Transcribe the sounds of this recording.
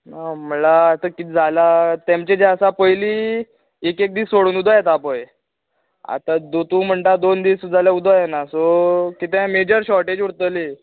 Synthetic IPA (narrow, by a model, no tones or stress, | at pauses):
naməlaːsəkit̪d͡zʱalat̪emt͡ɕẽd͡ʑɛəsapəjliː | ekek̚d̪iːsoɽuːnud̪ʱajet̪apəj | a̰t̪ad̪ot̪ũːm̤əɳʈad̪ond̪iːsd͡zʱaljaud̪ʱajenasokit̪ẽmed͡ʑəɾɕɔʈed͡ʑuɽt̪əli